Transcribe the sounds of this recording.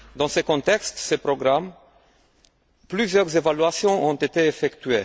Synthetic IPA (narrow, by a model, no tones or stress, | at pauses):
d̪ɑ̃səkɔ̃t̪ɛkst̪səpʁɔɡʁam | plyzjœʁzevalɥasjɔ̃ʔɔ̃t̪et̪eːfɛkt̪ɥe